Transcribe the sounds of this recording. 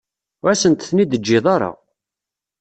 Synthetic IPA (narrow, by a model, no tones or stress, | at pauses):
æsənt̪θnid̪əd͡ʒːɪðˤɑɾˤɑ̰